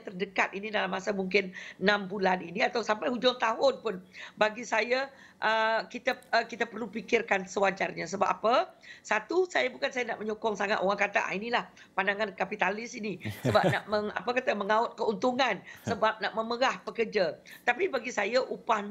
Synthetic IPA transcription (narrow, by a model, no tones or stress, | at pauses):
t̪ərdəkat̪inidalamːasamuŋk̬ɪnnãmbulaniniat̪awsampajhud͡ʒɔŋt̪aɦʊnpʊnbaɡisaja | ʔəkit̪akit̪apərlupikɪrkansəwad͡ʒarɲasəba̰p̚ːapasat̪usajabukansajana̰ʔməɲokɔŋsaŋa̰t̪oɣaŋkat̪aʔa̰inilah | pandaŋankapit̪alɪsinisəba̰p̚na̰ʔməŋa̰pakat̪aməŋaʊt̪̚kəunt̪uŋansəbap̚naʔməməɾahpəkərd͡ʒat̪apibaɡisajaʔupah